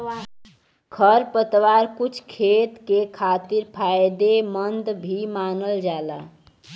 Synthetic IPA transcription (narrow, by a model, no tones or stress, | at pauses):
kʰəɾpət̪ʋaɾkut͡ʃʰkʰet̪kekʰat̪iɾpʰajd̪emənd̪bʱimanəld͡ʒala